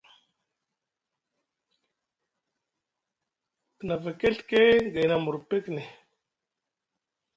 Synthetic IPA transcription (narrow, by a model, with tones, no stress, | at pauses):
pə˨na˨va˨ke˦ɬke˦ɡa˨na˨mu˨ɾpe˦kne˨